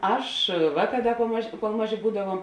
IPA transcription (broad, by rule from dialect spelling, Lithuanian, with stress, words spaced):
ˈɐʃ ˈʋɑːˌkɑː ˈdɐ koːlˠ ˈmɑːˌʒʲeː koːlˠ ˈmɑːˌʒʲeː ˈbuːdɐʋuɔm